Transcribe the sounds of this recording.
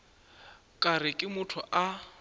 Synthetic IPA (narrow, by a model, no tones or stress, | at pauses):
kʼarɪkʼɪmʊtʰʊʔa